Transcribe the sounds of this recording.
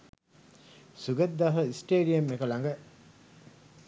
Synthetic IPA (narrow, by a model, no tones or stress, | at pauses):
suɡət̪̚d̪aɦəisʈeːɖijɐmekəlaŋɡə